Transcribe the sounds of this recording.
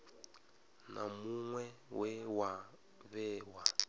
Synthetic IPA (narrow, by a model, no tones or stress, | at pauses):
nʔa̰muŋwɛwɛwa | βɛːwa